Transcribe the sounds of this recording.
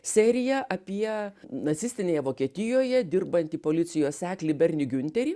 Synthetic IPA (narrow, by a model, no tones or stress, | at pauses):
sʲæːɾʲɪjɛʔɐpʲiɛnɐt̪sʲɪsʲt̪ʲɪnʲeːjɛʋoːkʲiɛt̪ʲɪjoːjɛd̪ʲɪrbɐnʲt̪ʲiːpoːlʲɪt̪sʲɪjoːsʲæːklʲɪbʲɛɾʲnʲɪɡʲʊnʲt̪ʲɛɾʲiː